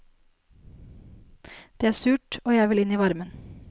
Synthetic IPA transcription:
d̪̥eːæːsʉːʈoːjæɪʋɪlɪniːʋɑɾmən

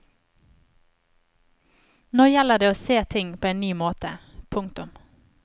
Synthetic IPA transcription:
noːjɛləd̪eːoːseːt̪ʰɪŋpʰoːeːnnyːmoːt̪əpʰʊŋkt̪ʊm

